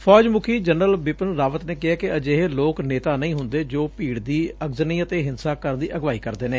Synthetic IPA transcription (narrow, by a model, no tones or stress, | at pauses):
pʰɔːd͡ʒmuːkʰiːd͡ʒənɾəlbɪpənɾaːʋət̪neːkɪɦaːkɪəd͡ʒeːɦeloːkneːt̪aːnəĩːɦʊnd̪eːd͡ʒoːpiːɽd̪iːəɡzniːət̪eːɦɪnsaːkəɾnd̪iːʔəɡʋaːiːkəɾd̪eːnẽː